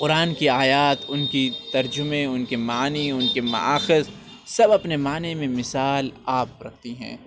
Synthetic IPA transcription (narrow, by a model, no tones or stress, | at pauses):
qʊɾaːnkiaːjaːt̪ʊnkit̪ɐɾd͡ʒʊmẽʊnkemaːniʊnkemɐ̰ʔa̰ːxɪz | sɐbɐpnemaːnemẽmɪsaːlaːp̚ɾɐ̰k̚ʰt̪iɦɛ̰̃ː